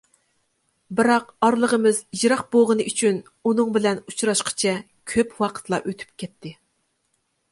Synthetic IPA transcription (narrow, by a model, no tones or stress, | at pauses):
bɪɾɑqɑɾlˠəʁəmɨzid͡ʒɾɑqboʁənɨʔyt͡ʃʰyn | unɨŋbɪlɛnut͡ʃʰɾɑʃqʰə̥t͡ʃʰɛ | kʲʰøpwɑqʰə̥t̪lˠɑ̰ʔøt̪ʰy̥p̚kʲʰɛt̪ʰːɪ